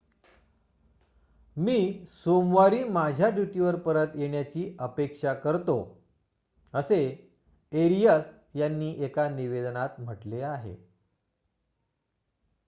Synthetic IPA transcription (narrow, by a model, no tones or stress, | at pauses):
miːsomʋaɾiːmad͡ʑʱjad͡ʑuʈiʋəɾpəɾət̪jeɳjat͡ɕiːəpekʂakəɾt̪o | əse | eɾijəs | janːiːʔekaniʋed̪nat̪m̤əʈleaɦḛ